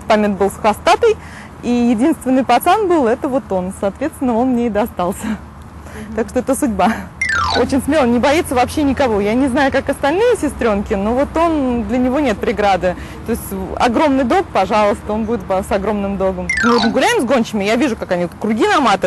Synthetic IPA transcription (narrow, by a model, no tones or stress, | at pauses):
pamʲet̪bɨlˠsxɐst̪at̪əj | ijɪdʲinst̪vʲɪnːɨjpɐt̪sanbɨlˠɛt̪əvo̞t̪o̞nsɐːt̪vʲe̞t̪st̪vʲɪnːəo̞nmnʲeɪd̪əɐst̪alˠsʲə | t̪akʂt̪o̞ɛt̪əsʊdʲbaot͡ɕɪnʲsmʲelˠənʲɪbɐjit̪səvɐpɕːenʲɪkɐvojanʲɪznajʊkakɐst̪ɐlʲnɨjɪsʲɪst̪ɾʲo̞nkʲɪnovo̞t̪o̞nd̪lʲənʲɪvo̞nʲe̞t̪̚pɾʲɪɡɾad̪ɨ | t̪o̞ɪsʲtʲɐ̰ɡɾo̞mnɨjd̪o̞k̚pɐʐalˠəst̪əo̞nbudʲɪt̪pɐsɐɡɾo̞mnɨmd̪o̞ɡəmmɨvot̪məɡʊlʲæɪmzɡo̞nʲt͡ɕɪmʲɪjavʲiʐʊkakɐnʲikɾʊɡʲinɐmat̪ɨ